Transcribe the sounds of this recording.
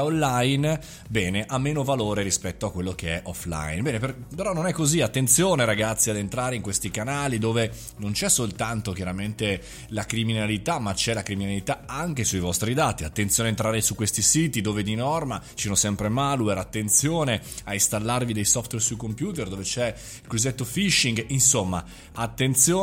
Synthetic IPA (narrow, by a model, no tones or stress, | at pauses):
onlːajn | bɛːneʔamːeːnovaloːɾeɾispɛt̪ːoakːwelːok̟eɛʔɔfla̰jnbɛːneperpeɾɔnːonɛkːoziat̪ːent̪sjoːneɾaɡat̪sːiad̪ent̪ɾaːɾeiŋkwest̪ikanaːlid̪oːve | nont͡ʃɛsolt̪ant̪ok̟jaɾament̪e | lakɾiminalit̪amːat͡ʃɛlakɾiminalit̪aaŋk̟esuivɔst̪ɾid̪aːt̪iat̪ːent̪sjoneaent̪ɾaːɾesukwest̪isiːt̪id̪oːved̪inɔrmat͡ʃisonosɛmpɾemalueɾat̪ːent̪sjoːneaist̪alːarvid̪ejsɔft̪wɛrsujkompjuːt̪erd̪oːvet͡ʃɛ | kɾuzet̪ːofiʃːiŋɡinsomːa | at̪ːent̪sjoː